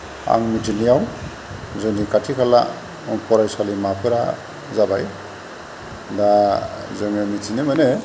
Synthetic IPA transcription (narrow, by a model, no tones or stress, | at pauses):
a̰ŋmitʰinijaw | zɯnikatʰikʰala̰ | pʰɔɾajsalimapʰɯɾa | zabaj | dazɯŋemitʰinemane